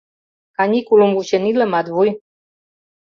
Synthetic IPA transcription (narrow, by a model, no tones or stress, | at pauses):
kanʲikulumvuɕeniləmad̪vuj